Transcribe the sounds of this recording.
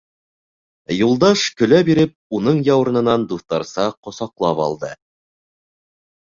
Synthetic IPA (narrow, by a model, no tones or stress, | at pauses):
julˠd̪ɑʃkɵ̆læbiɾɘp̚unɤɴjɑw̆ɾɤ̆nɤ̆nɑnd̪uθt̪ɑɾsɑqŏsɑqlˠɑpɑ̰lˠd̪ɤ